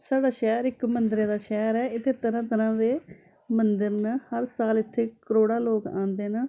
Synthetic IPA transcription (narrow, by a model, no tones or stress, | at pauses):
saːɖaːʃɛːɾɪkmənd̪ɾẽːd̪aːʃɛːɾɛːɪt̪ʰːeːt̪əɾãːt̪əɾãːd̪eː | mənd̪əɾnəhəɾsaːlɪt̪ʰːeːkəɾoːɽaːloːkã̰ːnd̪eːnə